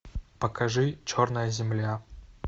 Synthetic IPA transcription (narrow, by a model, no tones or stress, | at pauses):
pəkʰɐʐɨt͡ɕornəjəzʲɪmlʲa